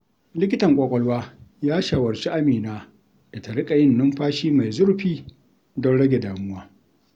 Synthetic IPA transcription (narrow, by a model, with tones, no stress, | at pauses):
lɪ˦kʲɪ˦tɐ˨ŋkʷʼɔ˨kʷʼɔ˦lwaː˦jaː˦ʃaː˨wɐ˨ɾt͡ʃi˦ʔa˦miː˨naː˦ | ʔa˨ta˨ɽɪ˦kʼa˨jɪ˦nːʊ˦mɸaː˦ʃiː˦ma˨jzʊ˦ɾɸiː˦ | dɔ˦nɽɐ˦ɡʲe˨daː˨mʊ˦waː˦